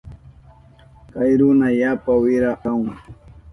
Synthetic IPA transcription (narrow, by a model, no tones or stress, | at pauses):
kajɾʊnajapawɪɾaʔawŋ